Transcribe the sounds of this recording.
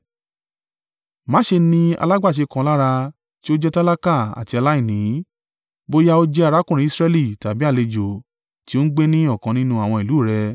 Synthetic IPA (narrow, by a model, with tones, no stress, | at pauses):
mã˨˦ʃe˧nĩ˧a̰˧la˦ɡ͡ba˦˨ʃ̬e˧kã˧la˦ɾa˧ | ti˦o˦d͡ʒɛ˦ta˦la˦ka˦˨a̰˨ti˧a˧la˦i˦˨nĩ˨˦ | bo˦ja˦o˦d͡ʒɛ˦a˧ɾa˦kũ˦˨ɾĩ˧˦i˧sɾɛ˧li˦˨ta˨bi˦a˦˨le˧d͡ʒo˨ | ti˦o˦n̩˦ɡ͡be˦nĩ˦ɔ˦˨kã˨˧nĩ˦nũ˧˦a˨w̃ɔ̃˧i˨luː˨˦˨ɾɛ˧